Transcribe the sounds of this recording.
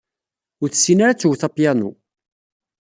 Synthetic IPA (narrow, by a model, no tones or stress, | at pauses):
ʊɾθsinaɾat͡sːuwθɑpjænṵ